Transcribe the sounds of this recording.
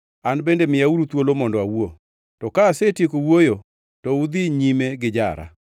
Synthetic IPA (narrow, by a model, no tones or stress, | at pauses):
anbendemɪjauɾut̪wolomɔndɔawo | tɔkaːsetjekowojo | tɔud̪iɲimeɡɪd͡ʒa̰ɾa̰